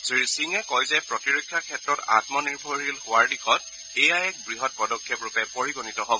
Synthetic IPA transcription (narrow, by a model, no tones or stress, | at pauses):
sɹisiŋɛkɔjzɛpɹɔtiɹokʰːjakʰɛtɹɔta̰tmɔniɹbʱɔɹelhʊwaɹdikʰɔt̚ | ejajɛk̚bɹiɦɔt̚pɔdɔkʰːɔpɹʊpɛpoɹiɡonitɔɦobɔ